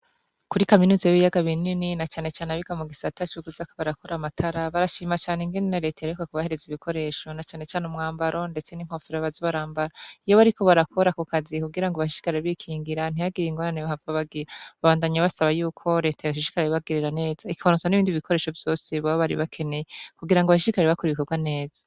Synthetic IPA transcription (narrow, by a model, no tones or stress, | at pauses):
kuɾikaminuzajiβijaɡaβinininat͡ʃaːne̞t͡ʃaːneβiɡamuɡisatat͡ʃuɡuzakoβaɾakoɾamatʰaɾaβaɾaʃiːmat͡ʃaːneŋɡenneɾe̞tajaɾekwakuβahe̞ɾe̞ziβikʰo̞ɾe̞ːʃo̞nat͡ʃaːne̞t͡ʃaːnumŋaːmbaɾʔo̞nde̞t͡se̞niŋ̥hofiɾaβazoβaɾaːmbaɾaijoβaɾiko̞βaɾakʰo̞ɾakukazikuɡiɾaŋɡaβaʃiʃi̥kaɾeɾeβikʰiːŋɡiɾan̥iaɡiɾiŋɡoɾaneβahavɡaβaɡiɾaβaβaːndaɲaβasaβajuːkʰo̞ɾe̞ːtajaβaʃ̬iʃi̥kaɾeβaɡeɾeɾane̞ːz̥aikiβanut͡saniβiːndiβikʰo̞ɾe̞ːʃo̞vjo̞ːseβaβaβaɾḭβakʰe̞ne̞jekuɡiɾaŋɡoβaʃiʃikaɾeɾeβakuɾiβikoɡwane̞ːz̥a